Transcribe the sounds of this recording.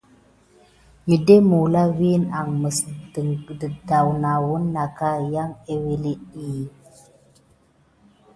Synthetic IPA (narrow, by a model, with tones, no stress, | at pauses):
ɲi˨de˦mu˨la˦wi˦na˨ŋmə˨sdə˨ŋ˨də˨da˨wna˨wu˦nːa˨ka˦ja˦ŋe˦we˦li˦i˦˨